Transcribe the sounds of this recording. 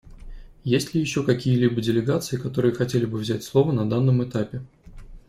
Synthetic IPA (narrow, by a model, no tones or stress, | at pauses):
jesʲtʲlʲɪjɪɕːo̞kɐkʲijəlʲibədʲɪlʲɪɡat̪sɨjɪkɐt̪o̞ɾɨjəxɐtʲelʲɪbɨvzʲætʲslˠo̞vənɐd̪anːəmɨt̪apʲɪ